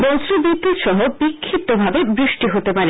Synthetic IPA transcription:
bɔnsɾobit̪ːuɾʃɔɦobikʰːit̪ːobʱabebɾiʃʈiɦot̪epaɾe

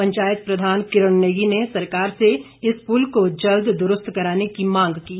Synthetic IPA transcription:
ɐ̃ɲt͡ʃaːjət̪̚pɾɐd̪ʱaːnkɪɾəɳneːɡinesɐɾkaːɾse | ɪspulkod͡ʒɐld̪ʱd̪ʊɾʊst̪kɐɾaːnekimãːŋɡkiː

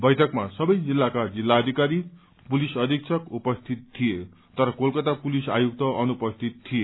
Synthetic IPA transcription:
bʌjʈʰʌkmasʌbʌjd͡zilːakad͡zilːaʌd̪ʱikaɾi | pulisʌd̪ʱik̚sʰʌkupʌst̪ʰit̪ʰːije | t̪ʌɾʌkolkʌt̪apulisajuk̚t̪ʌʔʌnupʌst̪ʰit̪t̪ʰːije

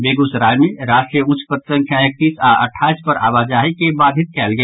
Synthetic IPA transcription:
beɡusɾaːjmeɾaːʃʈɾijəʊ̃t͡ʃʰpət̪sə̃ŋkʰjaek̚t̪iːsaə̰ʈʰaːispəɾʔa̰ːʋad͡ʒaːɦikebaːd̪ʱit̪̚kɛːlɡɛː

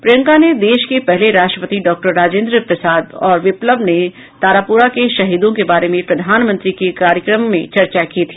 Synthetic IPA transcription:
pɾejə̃ŋkaned̪eːʃkepɛɦleɾaːsʈɾəpət̪iɖɔːk̚ʈəɾːaːd͡ʒẽːnd̪ɾəpɾəsaːd̪ɔːɾʋɪpləbne | t̪aːɾapuːɾakeʃɐɦiːd̪õkebaːɾemẽpɾɐd̪ʱaːnmə̃nt̪ɾikekaːɾjəkɾəmːẽt͡ʃɐɾt͡ʃakit̪ʰiː

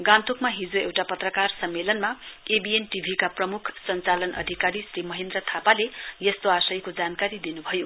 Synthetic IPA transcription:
ɡãnt̪ukmaɦid͡zoḛwʈapʌt̪rʌkarsʌmːelʌnmaebienʈibʱikaprʌmukʰsʌnt͡salʌnʌ̰d̪ʱikaɾisrimʌɦend̪rʌt̪ʰapalejʌst̪oasʌjkod͡zankaɾid̪inubʱʌjo

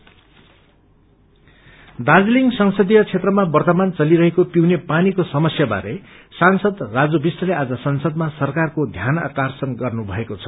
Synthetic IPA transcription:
d̪ad͡zliŋɡsʌŋsʌd̪ijʌt͡sʰet̪rʌmabʌrt̪ʌmant͡sʌliɾʌɦekopiwnepanikosʌmʌsjaba̰ɾe | sansʌd̪rad͡zobisʌlead͡zʌsʌnsʌd̪̚masʌrkarkod̪ʱjana̰karsʌnɡʌrnubʱʌ̰ekot͡sʰʌ̥

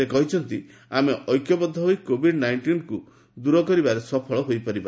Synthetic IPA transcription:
ekɔɦit͡ʃʰɔnt̪i | ameʔɔjkjɔbɔd̪ʱːɔɦojkobʱiɖnajɳʈinku | d̪uɾɔkɔɾibaɾesɔpʰɔɭɔɦojpɔɾiba

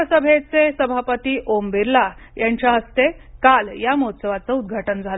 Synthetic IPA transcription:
əsəbʱet͡sesəbʱapət̪iːʔombiɾlajaɲt͡ɕjaɦəst̪ekaljamot̪səʋat͡səud̪̚ɡʱaʈənd͡zʱal

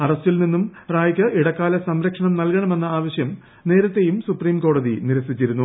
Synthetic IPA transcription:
ɐrɐstilninːumraːjɐkʲːɐʔiɽɐkːaːlɐsɐmɾɐkʂɐɳɐmnɐlkɐɳɐme̞nːɐaːʋɐɕjɐm | ne̞ːɾɐt̪ːe̞jumsupriːmko̞ːɽɐðḭniɾɐsit͡ɕːiɾunːu

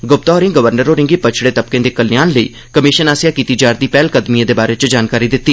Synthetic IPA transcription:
ɡʊp̚t̪aɔːɾɪ̃ŋɡəʋəɾnəɾoːɾɪ̃ŋɡiːpət͡ʃʰɽẽːt̪əb̚kẽːd̪eːkəlɪjaːnləḭː | kəmɪʃənaːsɪjaːkiːt̪iːd͡ʒaːɾd̪iːpɛːlkəd̪miãd̪eːbaːɾeːt͡ʃd͡ʒaːnkaːɾiːd̪ɪt̪ːiː

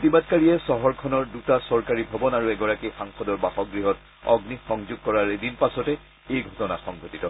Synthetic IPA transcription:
tibadkaɹiɛsɔɦɔɹkʰɔnɔɹdutasɔɹkaɹibʱɔbɔnaɹuɛɡɔɹakixaŋxɔdɔɹbaxɔɡɹiɦɔt̚ | ɔ̰ɡnixɔŋzʊɡ̚kɔɹaɹedinpasɔtɛ | ejɡʱɔtɔnaxɔŋɡʱotitɔ

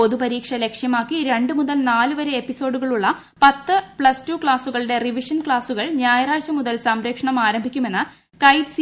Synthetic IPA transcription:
o̞ðupɐɾiːkʂɐle̞kʂjɐmaːkːiɾe̞ɳɖɨmuðɐlnaːluʋɐɾeepːiso̞ːɖuɣɐɭuɭːɐ | pɐt̪ːɨpɭɐstukɭaːsuɣɐɭɽe̞riʋiʂɐnkɭaːsuɣɐɭɲaːjɐɾaːt͡ɕɐmuðɐlsɐmɾeːkʂɐɳɐmaːɾɐmbʱikʲːume̞nːɨ | kɐjd̪s

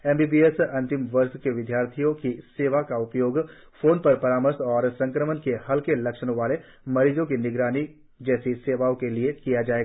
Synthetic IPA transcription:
ɛːmbiːbiːesɐ̃nt̪ɪmʋɐɾskeʋɪd̪jaːɾt̪ʰijõkiseːʋakaʊpjoːɡfoːnpɐɾpɐɾaːməɾsɔːɾsɐ̃ŋkɾəmənkehɐlkelɐkʃñʋaːle | mɐɾiːd͡ʒõkinɪɡɾaːni | d͡ʒɛːsiseːʋaːõkeliekijad͡ʒaːe

